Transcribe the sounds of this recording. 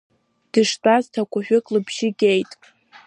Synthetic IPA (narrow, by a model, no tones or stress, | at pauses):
d̥ɨʂtʼaztʰakʷʼʊħᶣʊkʼlɨbʰʒɪɡʲejtʼ